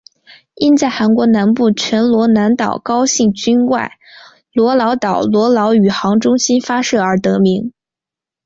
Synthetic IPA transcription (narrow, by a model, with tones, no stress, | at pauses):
i˥nt͡sa˥˩ɪxa˧˥nkwɔ˧˥na˧˥npu˥˩t͡ɕʰɥɛ˧˥nlwɔ˧˥na˧˥nt̪ɑ˨˩ʊkɑ˥ʊɕi˥˩ŋt͡ɕy˥nwa̰˥˩ɪ | lwɔ˧˥lɑ˧˥ʊt̪ɑ˨˩ʊlwɔ˧˥lɑ˧˥ʊy˨˩xɑ˧˥ŋʈ͡ʂʊ˥ŋɕi˥nfa˥ʂɤ˥˩ə˞˧˥t̪ɤ˧˥mi˧˥ŋ